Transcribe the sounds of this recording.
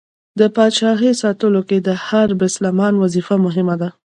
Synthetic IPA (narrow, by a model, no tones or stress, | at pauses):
d̪əpɑʃɑxesɑt̪əloked̪əhaɾbɪslamɑnwazifamʊɦɪmad̪a